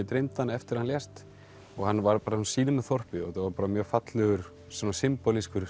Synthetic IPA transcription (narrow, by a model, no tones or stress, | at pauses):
ɪt̪ɾejmt̪anːaɛft̪ɪɾhanljɛst̪ | ɔɣhanvaɾpaːɾasnsiːnʏmɛðθɔr̥pɪɔɛt̪avaɾpaːɾamjœːɣfat̪lɛɣʏɾ̥ | sɔnasɪmpɔliskʏɾ̥